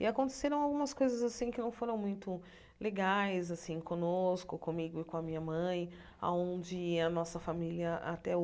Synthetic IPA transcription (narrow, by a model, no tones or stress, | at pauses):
ɪakõt̪e̥seɾɐ̃w̃awɡũmɐskojzɐzasĩkɪnɐ̃w̃foɾɐ̃w̃mũj̃t̪ʊ | leɡajzasĩkõnoskʊkõmiɡʊɪkõɐmĩɲɐmɐ̃j̃ | a̰õd͡ʒɪɐnɔsɐfamiliɐʔa̰t̪ɛ